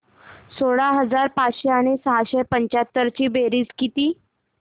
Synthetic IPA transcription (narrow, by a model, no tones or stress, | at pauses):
soɽaɦəd͡zaɾpat͡sɕeaɽ̃esəɦaɕepəɲt͡ɕat̪ːəɾt͡ɕiːbeɾiːd͡zkit̪iː